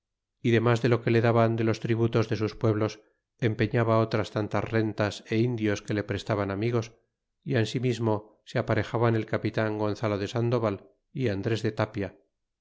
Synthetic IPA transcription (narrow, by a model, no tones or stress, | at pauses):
iðe̞mazðe̞lo̞ke̞le̞ðaβand̪e̞lo̞st̪ɾiβut̪o̞zðe̞suspwe̞βlo̞s | e̞mpe̞ɲaβao̞t̪ɾast̪ant̪a̰zre̞nt̪ase̞ind̪jo̞ske̞le̞pɾe̞st̪aβanamiɣo̞s | iensimizmo̞ | seapaɾe̞xaβane̞lkapit̪aŋɡo̞nθalo̞ðe̞sand̪o̞βal | iand̪ɾe̞zðe̞t̪apja